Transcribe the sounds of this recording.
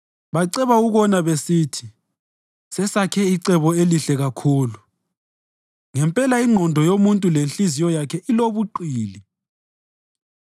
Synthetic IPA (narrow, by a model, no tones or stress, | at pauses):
βaǀɛβauɣɔnaβesiːtʰi | sɛsakʰɛiǀɛβɔeliɬɛɣakʰuːlu | ŋɛmpʼɛlaiŋ͡ǃʱɔndʱɔjomuntʼulenɬizijɔjakʰɛʔiloβuǃiːli